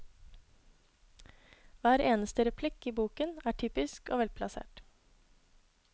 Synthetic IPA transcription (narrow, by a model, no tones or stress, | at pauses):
ʋæːɾeːnəst̪əɾɛpʰlɪkiːbuːkənæːʈʰyːpɪskoːʋɛlpʰlɑsḛːʈ